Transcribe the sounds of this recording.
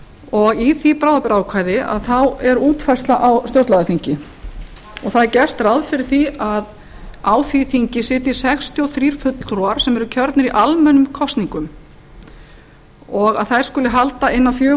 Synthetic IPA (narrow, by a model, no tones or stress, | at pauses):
ɔɣiθipɾawðapɪɾaːwkʰvaːjðɪʔa̰ðθawɛɾuːt̪fajst̪laʔawst̪jowɾt̪laðaθiŋcɪ | ɔɣθaðcɛr̥t̪rawðfɪɾɪɾ̥θiað | aːwθiθiɲcɪsɪːt̪ɪ̥sɛxst̪ʰjɔwθɾiːɾ̥fʏt̪l̥ɾɔaɾ̥sɛmɛɾʏcʰœɾt̪nɪɾiʔalmɛnːʏmkʰɔst̪niŋkʏm | ɔɣaðθajɾ̥skʏlɪɦalt̪aɪnːafjœː